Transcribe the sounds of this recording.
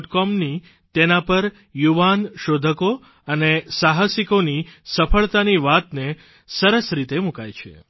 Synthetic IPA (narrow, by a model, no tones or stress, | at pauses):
ʈkɔmni | t̪enapəɾ | juʋanʃod̪ʱəko | ənesaɦəsikonisəfʰəɭt̪aniʋat̪ne | səɾəsɾit̪emũka̰jt͡ʃʰḛ